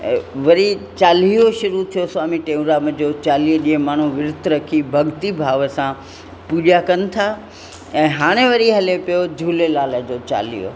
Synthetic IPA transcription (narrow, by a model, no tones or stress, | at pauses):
ʋɐɾit͡ɕaːlijoʃʊɾut̪ʰijoswaːmiʈẽːʋɾaːməd͡ʑoːt͡ɕaːliːoɗĩːɦẽmaːɳ̤̃ũʋɪɾʊt̪ʰɾɐkʰibʱɐɠt̪ibʱaːʋəsã | puːʄakɐnɪ̆t̪ʰa | ɛ̃ːɦaːɽ̃eʋɐɾiɦɐlepijod͡ʑʱuːlelaːləd͡ʑot͡ɕa̰ːlḭjo̰